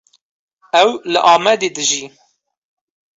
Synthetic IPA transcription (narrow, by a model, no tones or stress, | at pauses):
ɛwlɨʔɑːmɛd̪ed̪ɨʒiː